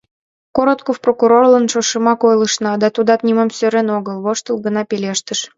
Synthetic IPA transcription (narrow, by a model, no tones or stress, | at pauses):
koɾot̪kofprokuɾorlə̆nʃoʃə̆mɑkojlˠə̆ʃnɑd̪ɑt̪ud̪ɑt̪nʲimomsøɾenoɣəlˠβoʃt̪ə̆lˠɡə̆nɑpelʲeʃt̪ə̆ʃ